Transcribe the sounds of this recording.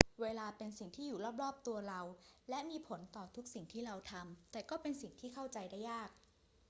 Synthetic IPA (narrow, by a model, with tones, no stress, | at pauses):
weː˧laː˧pe˧nsi˨˩ŋt̪ʰiː˥˩juː˨˩ɾɔː˥˩p̚ɾɔː˥˩p̚t̪u˧ɐɾa˧wlɛ˦˥ʔmiː˧pʰo˩˦nt̪ɔː˨˩t̪ʰu˦˥k̚si˨˩ŋt̪ʰiː˥˩ɾa˧wt̪ʰa˧mt̪ɛː˨˩kɔː˥˩pe˧nsi˨˩ŋt̪ʰiː˥˩kʰa˥˩wt͡ɕa˧jda˥˩jːaː˥˩k̚